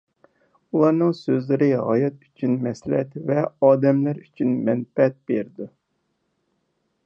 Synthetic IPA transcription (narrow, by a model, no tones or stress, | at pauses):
ulˠɑɾnɨŋsøzlɪɾɪɦɑ̰jɛt̪̚yt͡ʃʰynmɛslɛ̰t̪vɛɑːd̪ɛmlæɾyt͡ʃʰynmɛnpɛt̪̚beɾd̪u